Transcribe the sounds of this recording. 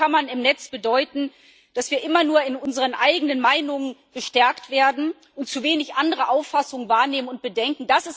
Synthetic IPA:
anmanɪmnɛt͡sb̥ədɔʏtn̩ | d̥asv̥iːɐʔɪmɐnuːɐɪnʊnzəʁənʔaɪɡənənmaɪnʊŋənb̥əʃtɛɐktv̥eːɐdn̩ | ʔʊnt̚t͡suveːnɪçʔandəʁəʔaʊfːasʊŋənvaːɐneːmənʊnt̚b̥ədɛŋkŋ̩d̥asɪs

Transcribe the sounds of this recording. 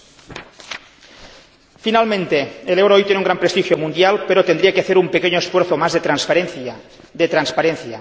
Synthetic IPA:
finalmẽnt̪eelewɾojt̪jeneuŋɡɾampɾest̪ixjomund̪jalpeɾot̪end̪ɾiakeaθeɾumpekeɲoesfweɾθomazðet̪ɾanspaɾenθ | d̪et̪ɾanspaɾenθja

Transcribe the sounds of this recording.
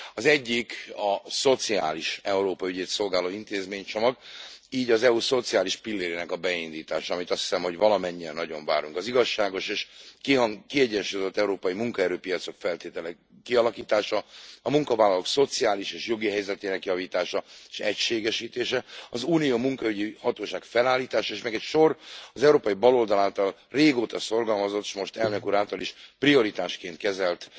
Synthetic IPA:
ɒzɛɟːikɒso̞t̪sia̰ːliʃɛuɾoːpɒyɟeːt̪so̞lɡaːloːint̪eːzmeːɲt͡ʃo̞mɒɡiːɟɒzɛuso̞t̪sijaːliʃpilːeːɾeːnɛkɒbɛind̪iːt̪aːʃɒɒmit̪ɒst̪hi̥sɛmho̞ɟvɒlɒmɛɲːiɛnːɒɟo̞ɱva̰ːɾuŋkɒziɡɒʃːaːɡo̞ʃeːʃkikiɛɟɛnʃujozot̪ːɛuɾoːpɒjimuŋkɒɛɾøːpijɒt̪so̞kfɛlt̪eːt̪ɛlɛ | kiɒlɒkiːt̪aːʃɒɒmuŋkɒvaːlɒloːkso̞t̪siaːliʃeːʃjo̞ɡiɦɛjzɛt̪eːnɛkjɒviːt̪aːʃɒeʃɛcʃeːɡɛʃiːt̪eːʃɛɒzuːnijoːmuŋkɒyɟihɒt̪oːʃaːɡfɛlaːlːiːt̪aːʃɒeːʃmɛɡɛcʃo̞rɒzɛuɾoːpɒjibɒlo̞ld̪ɒlaːlt̪ɒl | reːɡoːt̪ɒso̞rɡɒlmɒzot̪ːe̥ʃmo̞ʃt̪ɛlnekuɾaːlt̪ɒliʃprio̞ɾit̪aːʃkeːnt̪kɛzɛlt̪

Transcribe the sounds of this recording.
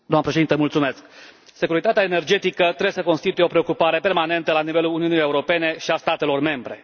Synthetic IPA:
d̪oamnəpɾeʃe̞d̪int̪əmult̪sume̞sk | se̞kuɾit̪at̪eaene̞rd͡ʒe̞t̪ikət̪ɾejesəkonst̪it̪ujeo̞pɾe̞o̞kupaɾe̞pe̞rmane̞nt̪əlanive̞luluniunijeuɾo̞pe̞ne̞ʃiast̪at̪e̞lo̞rme̞mbɾe̞̰

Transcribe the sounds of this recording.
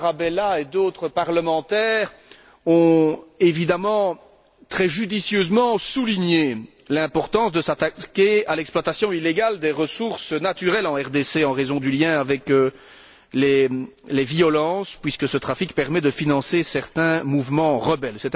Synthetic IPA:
ʁabelaed̪oːt̪χəpaʁləmɑ̃t̪ɛːʁ | ɔ̃evid̪amɑ̃ | t̪χɛʒyd̪isjøzmɑ̃suliɲe | lɛ̃pɔʁt̪ɑ̃sd̪əsat̪akʲealɛkspwat̪asjɔ̃ileɡald̪eʁəsuʁsənat̪yʁɛlɑ̃ɛʁd̪eseɑ̃ʁezɔ̃d̪yljɛ̃avɛkə | lɛ | lɛviɔlɑ̃spɥiskəsət̪χafikpɛʁmɛd̪əfinɑ̃sesɛʁt̪ɛ̃muvmɑ̃ʁəbɛlsɛt̪

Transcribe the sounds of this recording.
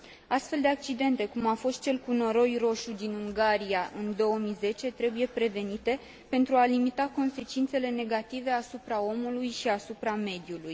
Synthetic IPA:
ast̪fe̞ld̪e̞ak̚t͡ʃid̪e̞nt̪e̞kumafo̞st̪̚t͡ʃe̞lkuno̞ɾo̞jro̞ʃud̪inuŋɡaɾiaʔɨnd̪o̞wəmize̞t͡ʃe̞t̪ɾe̞buje̞pɾe̞ve̞nit̪e̞ | pe̞nt̪ɾualimit̪ako̞nse̞t͡ʃint̪se̞le̞ne̞ɡat̪ive̞asupɾao̞mulujʃiasupɾame̞d̪juluj

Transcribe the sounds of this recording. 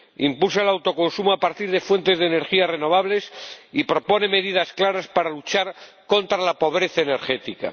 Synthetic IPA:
impulsaelawt̪o̞ko̞nsumoapaɾt̪iɾðe̞fwe̞nt̪e̞zðene̞ɾxiare̞no̞β̞aβle̞sipɾo̞po̞ne̞me̞ðiðasklaɾaspaɾalut͡ʃaɾ | ko̞nt̪ɾalapo̞βɾe̞θaene̞ɾxe̞t̪ika̰

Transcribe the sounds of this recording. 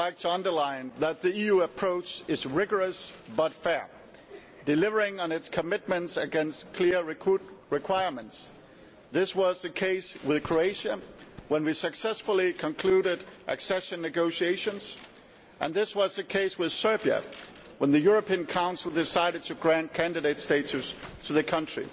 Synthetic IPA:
laɪk̚tʰəʌ̃ndə˞lãɪ̃nðət̪̚ðiijʉəpʰɹ̥oʊt͡ʃɨzɹɪɡə˞ɨsbʌtfɛɹ | dɨlɪvə˞ɪ̃ŋə̃nɨtskʰɨmɪt̚mɨ̃ntsɨɡɛ̃nstkʰl̥ɪɹɹɨkʰw̥aɪəɹmə̃nts | ðɪswʌzðɨkʰeɪswɪð̥kʰɹ̥oeɪʃɨwə̃nwisɨksɛsfl̩ˠikʰə̃nkʰl̥ʉɾɪɾʔɨ̰ksɛʃɨ̃nːɨɡoʊʃieɪʃɨ̃nz̥ | ʔɨ̰̃nðɪswʌzðɨkʰeɪswɨð̥sɜ˞biɨ̰ | wə̃nðɨjʊɹɨpʰĩɨ̃nkʰãʊ̃nsl̩ˠdɨsaɪɾɨd̚tʰɨɡɹæ̃nkʰæ̃ndɨɾeɪtsteɪt͡ʃʉstʰɨðɨkʰʌ̃nt͡ʃɹ̥ḭ

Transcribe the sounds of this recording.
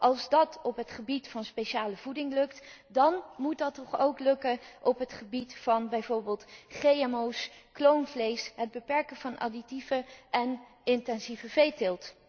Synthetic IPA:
ʔɑlˠzdɑtɔpɦətχəbitfɑnspeʃaːləvudɪŋlɵktdɑnmut̚dɑtːɔχowklɵkəʔɔpɦətχəbitfɑnbɛjvoːɹbeːlˠtχejɛmowsklownvlejsɦəd̚bəpɛɹkəvɑnʔɑ̰ditivəʔɛn | ɪntɛnzivəvejtɪlˠt

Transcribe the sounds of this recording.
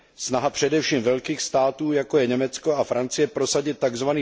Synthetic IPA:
snaɦapr̝̥ɛdɛfʃiːmvɛlkiːxst̪aːt̪uːjako̞jɛɲɛmɛt͡sko̞afɾant͡sɪjɛpɾo̞saɟɪt̪ːaɡzvaniː

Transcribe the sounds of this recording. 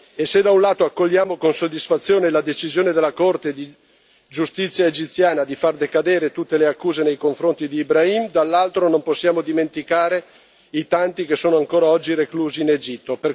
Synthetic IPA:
esed̪aunlaːt̪oakːoʎːaːmokonsod̪ːisfat̪sːjoːnelad̪et͡ʃizjoːned̪elːakort̪ed̪i | d͡ʒust̪it̪sːjaed͡ʒit̪sːjaːnad̪ifard̪ekad̪eːɾet̪ut̪ːeleakːuːzenejkoɱfɾont̪id̪iːbɾaimd̪alːalt̪ɾonomposːjaːmod̪iment̪ikaːɾe | it̪ant̪ikesːoːnoaŋkoːɾaɔd͡ʒːirekluːziːned͡ʒit̪ːoper

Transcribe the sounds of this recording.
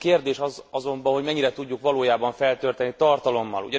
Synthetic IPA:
keːrd̪eːʃɒzɒzo̞mbɒnɦo̞ɟmɛɲːiɾɛt̪uɟːukʋɒloːjaːbɒɱfɛlt̪øːrt̪ɛnit̪ɒrt̪ɒlo̞mːɒ̰lṵɟɛ

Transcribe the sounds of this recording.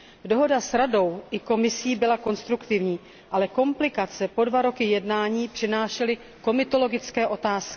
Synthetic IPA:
do̞ɦo̞dasɾado̞wʔɪko̞mɪsiːbɪlako̞nst̪ɾukt̪ɪvɲiː | ʔalɛko̞mplɪkat͡sɛpo̞dvaɾo̞kɪjɛdnaːɲiːpr̝̥ɪnaːʃɛlɪ | ko̞mɪt̪o̞lo̞ɡɪt͡skɛːʔo̞t̪aːskɪ̥

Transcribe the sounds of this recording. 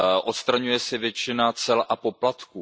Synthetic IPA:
ʔo̞t̪st̪ɾaɲujɛsɪvjɛt͡ʃɪnat͡sɛlʔapo̞plat̪kuː

